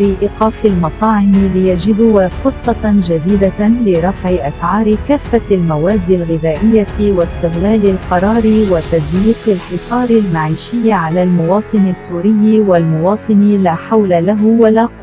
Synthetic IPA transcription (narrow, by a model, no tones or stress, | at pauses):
ɾiʔɪqɑːfɪlmɑt̪ˤɑːʕɪmɪlɪjad͡ʒɪd̪ʊfʊɾsˤɑd͡ʒad̪iːd̪alɪɾˤɑfʕɪʔasʕɑːɾɪkaːfːalmawaːd̪ːɪlɣɪðaːʔɪjːawast̪ɪɣlaːlɪlqɑɾˤɑːɾɪwat̪azwiːqɪlħɪsˤɑːɾɪlmaʕiːʃɪjːaʕalaːlmʊwɑːt̪ˤɨnɪsːuːɾɪjːwalmʊwɑːt̪ˤɨnlaːħawlalaɦwalaːq